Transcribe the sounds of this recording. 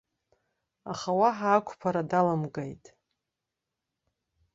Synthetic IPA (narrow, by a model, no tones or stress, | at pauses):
aχawaħaːkʷʰʼpʰaɾadalamɡajtʼ